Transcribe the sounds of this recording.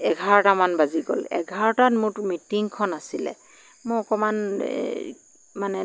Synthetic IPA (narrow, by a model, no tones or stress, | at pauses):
ɛɡʱaɹɔtamanbaziɡɔ̰lɛ̰ɡʱaɹɔtatmʊmitiŋkʰɔnasilɛ̰ | mʊɔkɔman | manɛ